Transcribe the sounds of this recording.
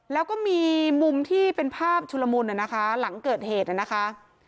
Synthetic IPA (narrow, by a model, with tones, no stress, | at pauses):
lɛː˦˥wkɔː˥˩miː˧mu˧mt̪ʰiː˥˩pe˧npʰaː˥˩p̚t͡ɕʰu˧la˧muː˧nʔa˨˩na˦˥kʰa˦˥la˩˦ŋkɤː˨˩t̪̚heː˨˩t̪̚ʔa˨˩na˦˥kʰa˦˥ʔ